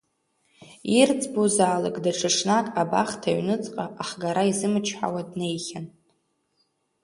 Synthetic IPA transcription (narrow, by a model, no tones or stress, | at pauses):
irt͡sʰʼbozaːlakʼdaʈ͡ʂʰɨʂnakʼaba̰χtʰaɥnɨt͡sʼqʼaʔaχɡaɾaizɨmɨt͡ʃʰħa̰wadne̞jχʲan